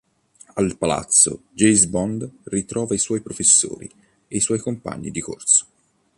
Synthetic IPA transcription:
alpala̰t̪sːo̰d͡ʒejzbɔnd̪rit̪ɾɔːvaiswɔjpɾofesːo̰ːɾḭ | eiswɔjkompa̰ɲːid̪iko̰rso̥

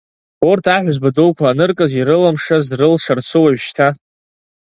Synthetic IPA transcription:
ortʰaħʷzbadowkʷʰaːnɨrkʼaziɾɨlamʂazrɨlʂart͡sʷʰɨwaɥʃtʰa

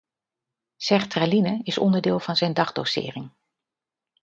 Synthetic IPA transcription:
sɛχtralinəɪsɔ̰ndəɹdɪːlˠv̥ɑnzɛjndɑχdo̰wsɪ̰ːrɪŋ

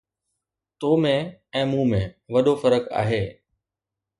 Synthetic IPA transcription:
t̪oːmẽɛ̃ːmũːmẽʋɐɗofəɾəka̰ːɦeː

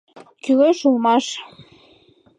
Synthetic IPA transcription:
kyɣeʃulmɑʃ

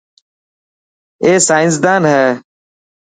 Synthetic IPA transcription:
eːsaːɪns̬d̪aːnɦɛː

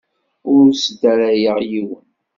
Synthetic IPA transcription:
ʊɾsd̪æɾæjəʁjiw

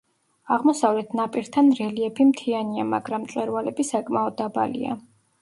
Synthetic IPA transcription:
aʁmɔsavlɛt̪ʰnapʼiɾt̪ʰanɾɛliɛpʰimt̪ʰianiamaɡɾamt̪sʼɛɾvalɛbisakʼmaɔd̪ːaba̰lḭa̰

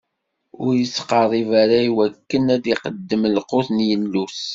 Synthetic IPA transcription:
ʊɾjəsːqɑɾˤivæɾaiwækːənæd̪iqəd̪ːəmlqoθnjənlus

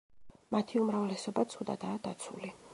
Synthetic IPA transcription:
mat̪ʰiumɾavlɛsɔbat̪sʰud̪a̰d̪aːd̪̥at̪sʰṵli

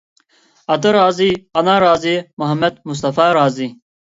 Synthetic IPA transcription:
ɐt̪ɐɾaːziːɐnaːɾaːzimuɦɐmːed̪̚mus̬t̪ɐfaːɾaːziː

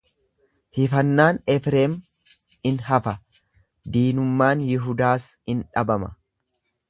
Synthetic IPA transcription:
hɪfɐnːaːnɛfɾeːm | ɪnɦɐfɐ | d̪iːnʊmːaːnjɪɦʊd̪aːshɪnᶑɐbɐmɐ

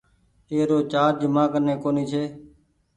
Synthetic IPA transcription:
eːɾoːt͡ʃaːɾd͡ʒɪmãːkənːẽːkoːniːt͡ʃʰeː

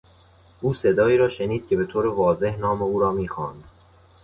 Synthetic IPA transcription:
ʔuːse̞d̪ɒːiːɾɒːʃe̞niːd̪̥̚cʰʲe̞be̞t̪ʰoːɾevɒːze̞hnɒːmeuːɾɒːmiːxɒːnd̪̥

